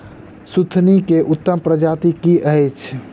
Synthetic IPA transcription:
sut̪ʰnikeʔʊt̪ːəmpɾəd͡ʒaːt̪ikiʔət͡ʃʰ

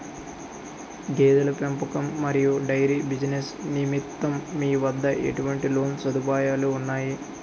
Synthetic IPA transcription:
ɡeːd̪ɐlɐpempɐkɐmːɐɾijuɖɐjɾibid͡ʒinesnimit̪ːɐmːiːʋɐd̪ːɐʔḛʈuʋɐɳʈilo̞ːnsɐd̪upaːjaːluːnːaːji

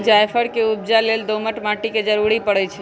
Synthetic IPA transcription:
d͡ʒajpʰəɽkeub̚d͡ʒaleld̪oməʈmãʈiked͡ʒəɾuɽipəɽət͡ʃʰɛ

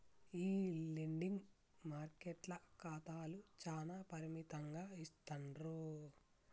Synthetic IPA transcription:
iːliɳɖiŋɡ | maːɾkeʈlɐkaːt̪aːlut͡ʃaːnaːpɐɾimit̪ɐŋɡaːist̪ɐɳɾu

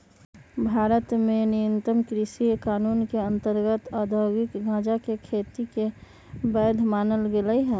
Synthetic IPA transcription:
bʱaːɾət̪menijənt̪əmkɾiʃikaːnuːnkeə̃nt̪əɾɡət̪ad̪ʱəɡɪkɡʱãːd͡ʒakekʰeːt̪ike | bɛːd̪ʱmaːnəlɡeləiɦɛː

